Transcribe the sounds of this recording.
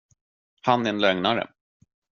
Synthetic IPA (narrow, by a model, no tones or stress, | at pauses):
hanɛɛnlœŋnaɾə̰